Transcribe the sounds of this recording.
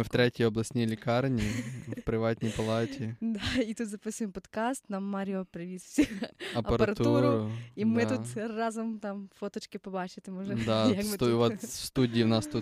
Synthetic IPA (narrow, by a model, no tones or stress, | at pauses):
mwt̪ɾʲɛtʲijɔblˠɐsʲtʲnʲijlʲɪkɑrnʲiwpɾɪʋɑtʲnʲijpɐlˠɑtʲid̪ait̪ut̪zɐpɪsʊjɪmpɔd̪kast̪namːaɾʲiɔpɾɪʋʲisʲuɐpɐɐɾɐɾɐt̪uuɾʊɾʊimɪt̪ut̪rɑzʊmt̪amfot̪ɔt͡ʃkɪpɔbat͡ʃɪt̪ɪmɔʒɛd̪ajakkmɪʋɔt̪st̪udʲijiwnɑst̪ut̪